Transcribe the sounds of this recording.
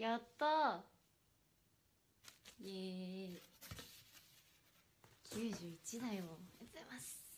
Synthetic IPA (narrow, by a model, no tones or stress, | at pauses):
jat̪ːo | e | kʲʰɨːʑɨːit͡ɕid̪ajojet̪emas